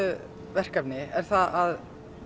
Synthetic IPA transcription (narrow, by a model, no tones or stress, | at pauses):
ʏ | vɛr̥kapnɪɛɾ̥θaðað